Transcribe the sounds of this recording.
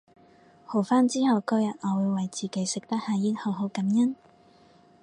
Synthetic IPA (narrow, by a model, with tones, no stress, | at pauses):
ho˨˩wfaː˥nt͡siː˥hɐ˨wkɵ˥jɐ˨˩t̚ʔɔː˨˧wuː˨˧jwɐ˨jt͡siː˨˩ke˨˥jsɪ˨k̚t̪ɐ˥k̚haː˨˧jiː˥t̚ho˨˧wɦo˨˥wkɐ˨˥mjɐ˥n